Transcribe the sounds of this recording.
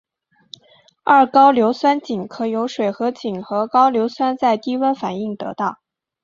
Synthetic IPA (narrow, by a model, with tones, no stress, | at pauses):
ɐ˥˩kɑ˥ʊljo˧˥ʊswa˥nt͡ɕi˨˩ŋkʰɤ˧˩jo˧˥ʊʂwe˨˩ɪxɤ˧˥t͡ɕi˨˩ŋxɤ˧˥kɑ˥ʊljo˧˥ʊswa˥nt͡sa˥˩ɪt̪i˥wə˥nfa˨˩ni˥˩ŋt̪ɤ̰˧˥t̪ɑ˥˩ʊ